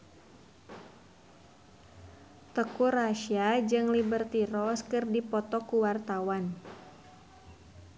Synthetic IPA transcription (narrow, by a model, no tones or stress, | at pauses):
t̪əkuraʃiad͡ʒɨŋlibərt̪iɾɔskɨrdipɔt̪ɔkuwart̪awan